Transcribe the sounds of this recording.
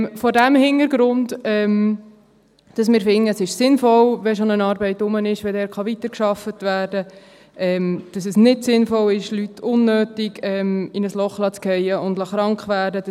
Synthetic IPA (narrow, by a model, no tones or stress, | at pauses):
fɔdæmhɪnəɾɡɾʊndɛm | d̥ɑsmɪːɾfɪŋːəsɪʃsɪnfɔlʋɛʃonənɑːɾbɛɪtːʊmənɪʃʋɛdɛːɾχɑʋitəɾkʃɑfətʋæːɾdə | ʔɛmd̥ɑs̬ɛsnɪdsɪnfɔlɪʃlytʰʊnːøːtiɡɛmɪnəslɔχlɑt͡skɛɪəʊndlɑχɾɑŋkχʋæːɾdədɑ